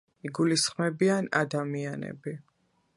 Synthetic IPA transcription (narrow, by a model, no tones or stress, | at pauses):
iɡulisχmɛbiana̰d̪amianɛ̰bi